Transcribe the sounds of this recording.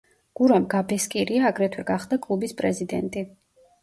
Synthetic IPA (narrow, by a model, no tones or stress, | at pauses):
ɡ̥uɾamɡabɛskʼiɾiaːɡɾɛt̪ʰwɛɡaχd̪akʼlˠubispʼɾɛzid̪ɛnt̪ʼi